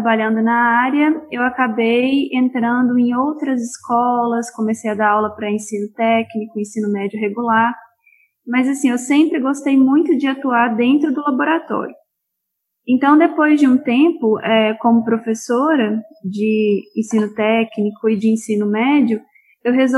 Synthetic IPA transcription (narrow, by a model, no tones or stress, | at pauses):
t̪abaʎɐ̃nd̪ʊnɐaɾjɐewakabejẽnt̪ɾɐ̃nd̪ʊẽj̃owt̪ɾɐzɪskɔlɐskõmesejɐd̪aawlɐpɾɐẽsĩnʊt̪ɛknikʊẽsĩnʊmɛd͡ʒiʊɦeɡulaɾ | mɐzasĩewsẽmpɾɪɡost̪ejmũj̃t̪ʊd͡ʒɪat̪uaɾd̪ẽnt̪ɾʊd̪ʊlaboɾat̪ɔ̰ɾjʊ | ẽnt̪ɐ̃w̃d̪epojzd͡ʒɪũt̪ẽmpʊʔɛkõmʊpɾofesoɾɐd͡ʒɪẽsĩnʊt̪ɛknikʊɪd͡ʒɪẽsĩnʊmɛd͡ʒiʊ | ewɦezo